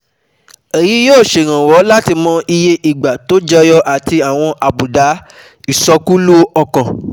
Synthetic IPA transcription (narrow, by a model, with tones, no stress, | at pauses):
e˨ji˨˦joː˦˨ʃe˨ɾ̃ã˨wɔ˨˦la˦ti˧mɔ̃˧i˧je˦ʔi˨ɡ͡ba˨to˦d͡ʒɛ˧jɔ˦ʔa˨ti˧a˨w̃ɔ̃˧ʔa˨bu˨da˨˦ | i˨sɔ˧ku˦lu˦ɔ˧kã˨